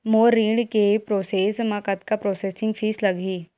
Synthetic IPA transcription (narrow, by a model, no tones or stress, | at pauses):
moːɾiːɽkepɾoːseːsmãkɐt̪kapɾoːseːsɪ̃ŋɡfʰiːslɐɡiː